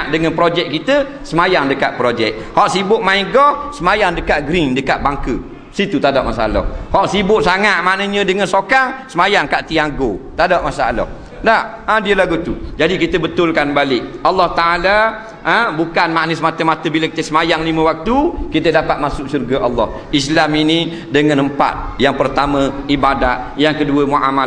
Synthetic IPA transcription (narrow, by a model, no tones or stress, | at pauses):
ʔdəŋənpɾod͡ʒɛk̚kːit̪ə | səmajaŋdəkatʔ̪̚pɾod͡ʒɛk̚hɔʔsibʊʔ̚maiɡɔhsəmajaŋdəkaʔ̪̚ɡɾindəkaʔ̪̚baŋkə | sit̪ut̪adɔʔmasaa̰lɔ̰hhɔʔsibʊʔsaŋaʔ̪̚maʔnəɲə̃dəŋənsokaŋsəmajaŋkaʔt̪iaŋɡot̪adɔʔmasaalɔ̰h | daʔ | ədiəlaɡut̪ud͡ʒadikit̪əbət̪ʊlkanbalɪk̚ɑlːɔht̪aʔala | ʔə̃bukanmaʔnəsəmat̪əmat̪əbiləkit̪əsəmajaŋlimə̃wak̚t̪ukit̪ədapat̪̚masʊksurɡaʔɑlːɔh | islamini | dəŋanəmpa̰t̪̚jaŋpərt̪amə̃ibadat̪̚jaŋkəduəmuʔama